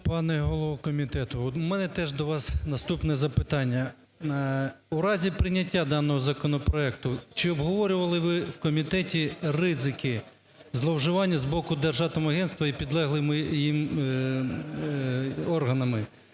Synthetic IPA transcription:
pɑnɛɦɔlˠɔʋɔkɔmʲit̪ɛt̪ʊɔt̪mɛnɛt̪ɛʒd̪ɔʋɑsnɐst̪upnɛzɐpɪt̪ɑnʲːɐ | uɾɑzʲipɾɪnʲɐtʲːad̪ɑnːɔɦɔzɐkɔnɔpɾɔɛkt̪ʊt͡ʃɪɔbɦɔʋɔɾʲʊʋɐlˠɪʋɪwkɔmʲit̪ɛtʲirɪzɪkɪ | zlˠɔwʒɪʋɑnʲːɐzbɔkʊd̪erʒɑt̪ɔmɐɦɛnst̪ʋɐipʲid̪lˠɛɦlˠɪmɪjim | ɔrɦɐnɐmɪ

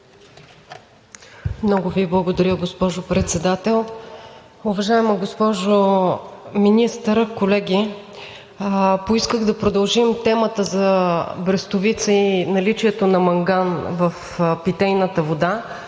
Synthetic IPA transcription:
mnɔɡʊviblˠəɡod̪ɐɾʲəɡospɔʒopɾɛt̪sɛd̪at̪ɛlˠ | ʊvɐʒaɛmɐɡospɔʒo | minist̪əɾkolɛɡʲi | poiskəɣd̪ɐpɾod̪ɐlˠʒimt̪ɛmət̪əzɐbɾɛst̪ʊvit̪səinɐlit͡ʃiɛt̪onɐmɐŋɡanvɐf | pit̪ɛjnət̪əvod̪a

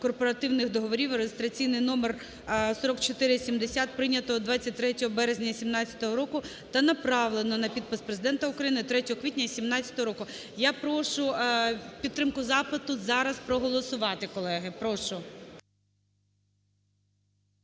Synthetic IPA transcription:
kɔrpɔɾɐt̪ɪwnɪxd̪ɔɦɔʋɔɾʲiwɾejʲɪst̪ɾɐt͡sʲijnɪjnɔmer | sɔɾɔkt͡ʃɔt̪ɪɾɪsʲimd̪esʲat̪̚pɾɪnʲːɐt̪ɔɔd̪ʋɑt͡st͡sʲːɐt̚ʲt̪ɾɛtʲɔɦɔbɛɾezʲnʲɐsʲimnɑt͡sʲɐ̥t̪ɔɦɔɾɔkʊ | t̪ɐnɐpɾɑʋlˠenɔnɐpʲid̪̚pɪspɾezɪd̪ɛnt̪ɐʊkɾɐjinɪt̪ɾɛtʲɔɦɔkʋʲitʲnʲɐsʲimnɑt͡sʲɐt̪ɔɦɔɾɔkʊ | japɾɔʃʊpʲit̪ːɾɪmkʊzɑpɪt̪ʊzɑɾɐspɾɔɦɔlˠɔsʊʋɑt̪ɪkɔlˠɛɦɪpɾɔʃʊ

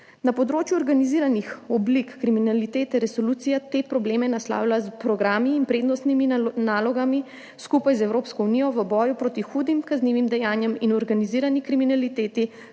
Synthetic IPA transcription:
napɔd̪ɾoːt͡ʃjuɔɾɡaniziːɾanixɔblikːɾiminalit̪eːt̪ɛɾɛsɔluːt̪sijat̪epɾɔbleːmɛnasla̰ːwlaspɾɔɡɾaːmiːnpɾeːd̪nɔst̪niminaːlɔɡami | skupajzɛwɾoːpskɔunijɔʋəbɔːjupɾoːt̪ixuːd̪imkazniːʋimd̪ɛjaːnjɛminɔɾɡaniziːɾanikɾiminalit̪eːt̪i

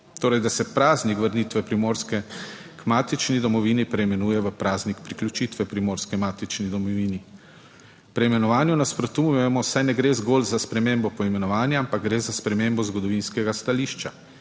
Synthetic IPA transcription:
t̪oːɾɛjd̪asɛpɾaːznikʋəɾnit̪ʋɛpɾimoːɾskɛ | kmaːt̪it͡ʃnid̪ɔmɔʋiːnipɾɛimɛnuːjɛʋəpɾaːznikpɾiklʲut͡ʃit̪ʋɛpɾimoːɾskɛmaːt̪it͡ʃnid̪ɔmɔʋiːni | pɾɛimɛnɔʋaːnjunaspɾɔt̪umjɛmɔsajnɛɡɾeːzɡoːlzaspɾɛmembɔpɔimɛnɔʋaːnjaampaɡɡɾeːzaspɾɛmembɔzɡɔd̪ɔʋinskɛɡast̪aliːʃt͡ʃa

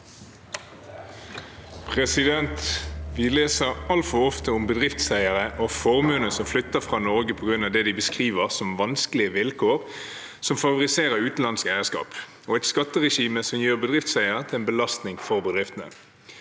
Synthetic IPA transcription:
pʰʁɛsɪd̪ɛnt̪ʋɪleːsəʁɑlt̪fɔʁɔft̪əʊmbəd̪ʁɪft̪sæɪəʁəʔofɔʁmʉːnəsɔmflʏt̪ːəfʁɑːnɔʁɡəpʰɔɡʁʉnɑʋd̪ɛːd̪ibəskʁiːʋəʁsɔmʋɑnskəlɪəʋɪlkʰoːʁ | sɔmfɑʋʊʁɪseːʁəʁʉːt̪n̩lɑnskæɪəskɑ̰ːp | oːɛɪt̪skɑt̪ːəʁɛʃiːməsɔmjiːʁbəd̪ʁɪft̪sæɪəʁət̪ʰɪlɛːnbəlɑst̪nɪŋfɔʁbəd̪ʁɪft̪ənə̰

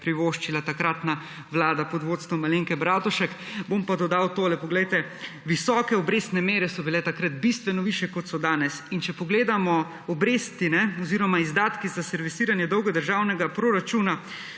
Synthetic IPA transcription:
pɾiʋoʃt͡ʃilat̪akɾat̪na | ʋlaːd̪apɔd̪ʋoːt̪st̪ʋɔmaleŋkɛbɾaːt̪ɔʃɛkbompad̪ɔd̪awt̪oːlɛpɔɡlɛjt̪ɛʋisɔːkɛɔbɾeːst̪nɛmeːɾɛsɔbilɛt̪akɾat̪̚bist̪ʋɛnɔʋiːʃjɛkɔt̪sɔd̪aːnɛsint͡ʃɛpɔɡleːd̪amɔ | ɔbɾeːst̪inɛɔziːɾɔmaizd̪aːt̪kizasɛɾʋisiːɾanjɛd̪ɔwɡɛd̪əɾʒawnɛɡapɾoɾat͡ʃuːna

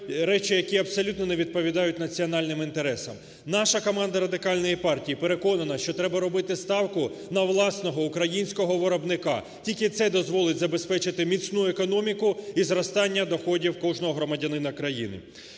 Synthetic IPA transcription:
ɾɛt͡ʃɪjɐkʲiɐpsɔlʲut̪nɔneʋʲid̪̚pɔʋʲid̪ɑjʊt̚ʲnɐt͡sʲiɔn̪ɑlʲnɪmint̪eɾɛsɐm | nɑʃɐkɔmɑnd̪ɐɾɐd̪ɪkɑlʲnɔjipɑrtʲijipeɾe̞kɔnɐnɐʃt͡ʃɔt̪ɾɛbɐɾɔbɪt̪ɪst̪ɑwkʊnɐʋlˠɑsnɔɦɔukɾɐjinʲsʲkɔɦɔʋɔɾɔbnɪkɑ̰ | tʲilʲkɪt̪sɛd̪ɔzʋɔlˠɪtʲzɐbe̞spɛt͡ʃɪt̪ɪmʲit̪t͡sʲnuekɔnɔmʲikʊizɾɔst̪ɑnʲːɐd̪ɔxɔdʲiwkɔwʒnɔɦɔɦɾɔmɐdʲɐnɪnɐkɾɐjḭnɪ̰

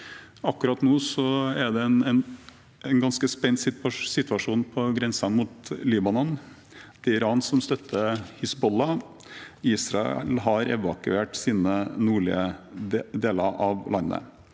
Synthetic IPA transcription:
ɑkːʉɾɑt̪nuːsɔæd̪ɛnɛn | ɛnɡɑnskəspɛnːsɪsɪt̪ʋɑʂuːnpʰɔɡɾɛnsɑnmut̪liːbɑnɔn | d̪̥ɛɪɾɑːnsɔmst̪œt̪ʰːəhɪsbɔlɑ | iːsɾɑɛ̰lɦɑɾɛ̰ʋɑkʉeːʈsiːnənuːɭɪ̰ə | d̪eːləɾʔɑʋlɑnːə̰

